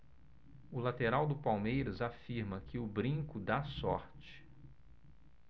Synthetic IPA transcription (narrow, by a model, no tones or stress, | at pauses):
ʊlat̪eɾawd̪ʊpawmejɾɐzafiɾmɐkʰɪʊbɾĩŋkʊd̪asɔɾt͡ʃɪ̥